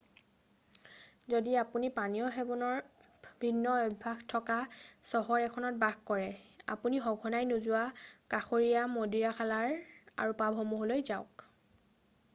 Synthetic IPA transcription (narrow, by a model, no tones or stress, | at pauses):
zodiapunipanijɔɦebɔnɔɹ | bʱinːɔɔdbʱaɡtʰɔkasɔɦɔɹɛkʰɔnɔt̚baɡkɔɹɛa̰puniɦɔɡʱɔnajnuzʊwakaxoɹijamodiɹaxʰalaɹa̰ɹupabʱɦɔmuɦolojzaʊk